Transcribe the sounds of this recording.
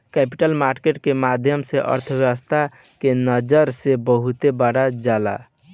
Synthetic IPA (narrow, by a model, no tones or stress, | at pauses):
kɛpiʈəlmaɾkeʈkemad̪ʱjəmseʔə̰ɾt̪ʰəbjəwəst̪ʰa | kenəd͡ʒəɾsebəɦut̪ebaɽad͡ʒala̰